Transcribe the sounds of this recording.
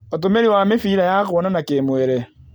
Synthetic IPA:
ot̬omeɾiwamefiɾajakwɔnanakemwɛɾɛ

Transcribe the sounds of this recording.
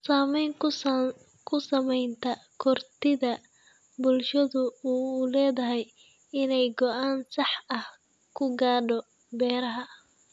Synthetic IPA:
saːmɛjŋ | kʰʊsɐmɛjnt̪ʰɐkʰɔrt̪ʰɪðɐ | bʊlʃɐðʊuːlɛːðɐɦɛj | ɪnɛjɡɔʔaːnsɑħɐh | kʰʊɡaːɖɔ | bɛːɾɐɦɐ

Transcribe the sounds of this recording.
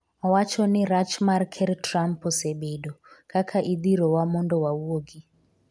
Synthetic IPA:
awat͡ʃʰɔniɾat͡ʃmarkʰɛɾtrampɔsɛɓeɗɔkʰʼakʰaʔid̪iɾɔwamɔndɔwauoɡi

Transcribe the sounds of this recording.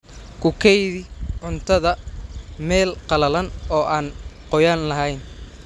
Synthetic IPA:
kʰʊkʰɛjðɪʕʊnt̪ʰɐðɐmɛːlqɑlɐlɐnɔːʔaːnqɔjaːnlɐɦɛjn

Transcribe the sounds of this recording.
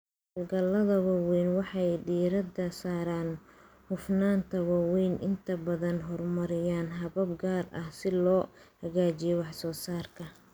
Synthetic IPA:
ɔlɡɐlɐðɐwɐwɛjnwɑħɑjɖiːɾɐd̪ɐsaːɾaːn | hʊfnaːnt̪ʰɐwɐwɛjnʔɪnt̪ʰɐbɐðɐnɦɔrmɐɾɪjaːnɦɐβɐb̚ɡaːrɐ̰hsɪlɔːhɐɣaːt͡ʃɪjɔwɑħsɔːsaːrkʰɐ

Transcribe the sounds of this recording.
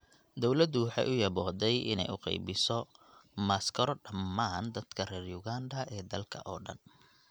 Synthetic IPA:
d̪ɔwlɐd̪ʊwɑħɑ̰ːjʔʊjɐbɔːd̪ɛjɪ̰nɛ̰jʊqɑ̰jbɪsɔ | maskʰɐɾɔɖɐmːaːnd̪ɐd̪kʰɐrɛːrjʊɣaːnd̪ɐʔɛːd̪ɐlkʰɐ̰ʔɔːɖɐ̰n

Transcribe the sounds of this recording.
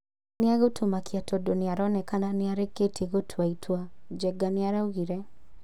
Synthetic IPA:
nɪaɣotʰomakiatɔdonɪaɾɔnɛkananɪaɾeketʰeɣotʰaitʰwad͡ʒɛɡanɪaɾauɣiɾɛ

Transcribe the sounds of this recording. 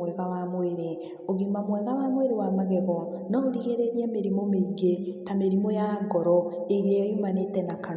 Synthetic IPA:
wɛɣawamweɾe | oɣimamwɛɣawamweɾewamaɣɛɣɔnaoɾiɣeɾeɾiemeɾimomeiɡetameɾimɔjaŋɡɔɾɔeiɾiejjumanetɛnaka

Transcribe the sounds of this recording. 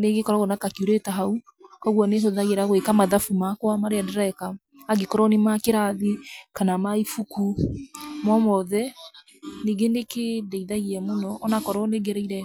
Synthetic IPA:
neɡekɔɾɔɣonakakiuɾetaɦau | kɔɣwɔneɦoðaɣeɾaɣwekamaðafumakwamaɾeadɛɾaɛkaː | ɡekɔɾɔnemakeɾaðikanamaifuku | mɔmɔðɛ | neɡenekedɛiðaɣiɛmonɔːnakɔɾɔneɡɛɾɛiɾɛ

